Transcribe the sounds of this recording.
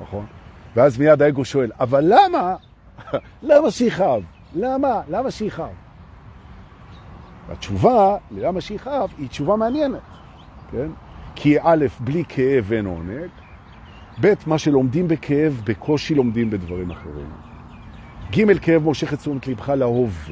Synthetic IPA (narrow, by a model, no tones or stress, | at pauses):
naχo̞nveazmijad̪aeɡo̞ʃo̞e̞lavalːama | lamaʃeiχaav | lamalamaʃeiχaa̰v | a̰t͡ʃuvalelamaʃeiχaavit͡ʃuvameanjenet̪ | ke̞n | kʰiʔale̞fblikʰeʔeveno̞̰ne̞ɡ | be̞t̪maʃe̞lo̞md̪imbe̞kʰeevbe̞kʰo̞ʃilo̞md̪imbe̞dvaʁimaχḛʁḭn | ɡime̞lkeevmoʃeχetsomet̪libχalaho̞v